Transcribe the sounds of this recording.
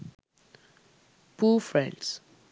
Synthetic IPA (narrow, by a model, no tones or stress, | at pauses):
pʰufɹɛ̃nds